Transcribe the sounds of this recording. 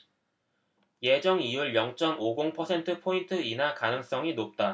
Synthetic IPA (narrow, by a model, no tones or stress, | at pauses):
jed͡ʑʌŋijuɭjʌŋt͡ɕ͈ʌmoɡoŋpʰʌsʰe̞ntʰɯpʰointʰɯinakanɯŋs͈ʌŋinop̚t͈a